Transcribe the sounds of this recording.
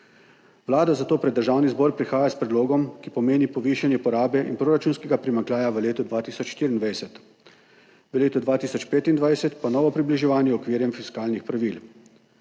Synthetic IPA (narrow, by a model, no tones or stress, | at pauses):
wlaːd̪azat̪oːpɾɛd̪ːəɾʒaːwnizbɔːɾpɾixaːjaspɾɛd̪loːɡɔmkipɔmeːnipɔʋiːʃanjɛpɔɾaːbɛʔḭnpɾoːɾat͡ʃuːnskɛɡapɾimaŋklʲjaːjaʋəleːt̪ɔd̪ʋaːt̪iːsɔt͡ʃʃt̪iːɾind̪ʋajsɛt̪ | ʋəleːt̪ɔd̪ʋaːt̪iːsɔt͡ʃpeːt̪ind̪ʋajsɛt̪panɔːʋɔpɾibliʒɛʋaːnjɛɔkʋiːɾjɛmfiskaːlnixpɾaʋil